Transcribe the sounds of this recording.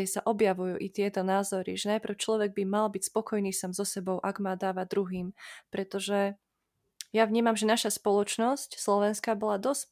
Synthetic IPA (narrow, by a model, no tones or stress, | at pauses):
ɛsaʔɔbjaʋujṵːʔit̪ɪɛt̪ɔnaːzɔɾḭʒɛnajpɾ̩ʊt͡ʃlɔʋɛɡ̚bimalbicspɔkɔjniːsaːmzɔsɛbɔʊʔaɡmaːd̪aːʋad̪ɾuɦiːmpɾɛt̪ɔʒɛ | jaʋɲiːmamʒɛnaʃaspɔlɔt͡ʃnɔscslɔʋɛnskabɔlad̪ɔs